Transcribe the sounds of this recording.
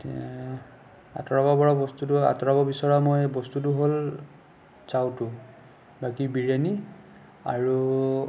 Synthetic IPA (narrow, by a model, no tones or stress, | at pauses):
a̰tɔɹɔbabɔɹɔbɔstutʊa̰tɔɹabɔbisɔɹamojbɔstut̬ʊɦol | sawtʊ | bakibiɹani | a̰ɹu